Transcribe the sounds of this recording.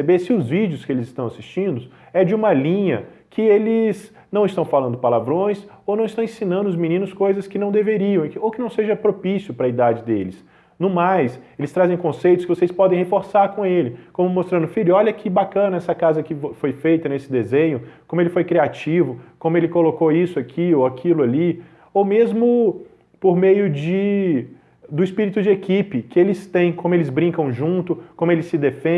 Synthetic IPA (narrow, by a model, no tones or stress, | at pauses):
ebesɪʊzvid͡ʒiʊskɪelɪzɪst̪ɐ̃w̃asi̥st͡ʃĩnd̪ʊ | ɛd͡ʒɪũmɐlĩɲɐ | kʰɪelɪz | nɐ̃w̃ɪst̪ɐ̃w̃falɐ̃nd̪ʊpalavɾõj̃sownɐ̃w̃st̪ɐ̃w̃ẽsĩnɐ̃nd̪ʊʊzminĩnʊskojzɐskɪnɐ̃w̃d̪eveɾiɐ̃w̃owkɪnɐ̃w̃seʒɐpɾopisjʊpɾɐid̪ad͡ʒɪd̪elɪs | nũmajselɪst̪ɾazẽj̃kõsejt̪ʊskɪvosejspɔd̪ẽhefoɾsaɾkõelɪkõmʊmost̪ɾɐ̃nʊfiʎʊɔʎɐkʰɪbakɐ̃nɐɛsɐkazɐkɪfojfejt̪ɐnesɪd̪ezẽɲʊkõmʊelɪfojkɾiat͡ʃivʊkõmʊelɪkolokoisʊakʰioakʰilʊali | owmezmʊ | poɾmejʊd͡ʒɪ | d̪ʊispiɾit̪ʊd͡ʒɪekipɪkɪelɪst̪ẽj̃kõmʊelɪzbɾĩkɐ̃w̃ʒũt̪ʊkõmʊelɪsɪd̪efẽ